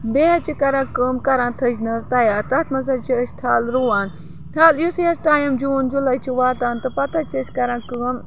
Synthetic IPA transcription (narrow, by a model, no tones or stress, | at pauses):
beːɦɐt͡ʃʰikɐɾãːkəːmkɐɾãːnt̪ʰɐd͡ʒnɐɾt̪ɐjaːɾt̪ɐt̪ʰmɐz̬ɐt͡ʃʰiəʃt̪ʰaːlɾuːaːn | t̪ʰaːljusijɐsʈaːjɐmd͡ʒuːnd͡ʒulɐjt͡ʃʰiʋaːt̪aːnt̪ɨpɐt̪ʰɐt͡ʃʰit͡ʃkɐɾãːkɨm